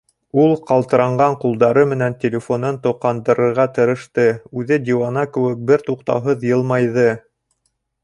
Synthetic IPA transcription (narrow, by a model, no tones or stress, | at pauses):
ulˠqɑlˠt̪ɤ̆ɾɑɴɢɑɴqulˠd̪ɑɾɤmɘ̆nænt̪ʲelʲɪfo̞nɤnt̪ŏqɑnd̪ɤ̆ɾɤ̆ɾʁɑt̪ɤ̆ɾɤ̆ʃt̪ɤʉðɘd̪ʲiwɑnɑkɘ̆wɘk̚bɘɾt̪uqt̪ɑ̰wɦɤðjɤ̆lˠmɑjðɤ